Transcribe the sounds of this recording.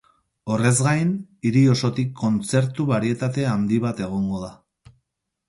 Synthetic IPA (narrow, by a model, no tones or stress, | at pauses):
o̞re̞zɣajniɾio̞so̞t̪ikʰːo̞nt͡se̞ɾt̪uβaɾie̞t̪at̪e̞and̪iβ̞at̪e̞ɣ̞o̞ŋɡo̞ða